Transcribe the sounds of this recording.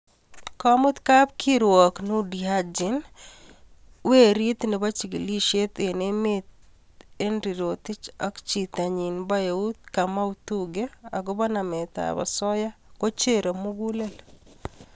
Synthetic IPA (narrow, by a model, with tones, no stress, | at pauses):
kɔ˦mʊ˦t̪ka˦p̚kʰi˦ɾwɔ˨knu˦dia˦d͡ʒi˨n | we˦ɾi˦t̪ne˨ba˦t͡ʃi˨ɡi˨li˦ʃe˦t̪e˨ne˦me˦t̪ | e˦nɾi˨ɾo˨t̪ɪ˦t͡ʃɔ˦kt͡ʃi˨t̪a˨ɲi˨nba˦je˨u˦t̪̚ka˨ma˦ut̪uɡe˦a̰˨ɡʊ˦ba˦na˨mɛ˨t̪a̰˨ba̰˨sɔ˦ja˦ko˦t͡ʃe˦ɾo˨mu˦ɡu˦le˦l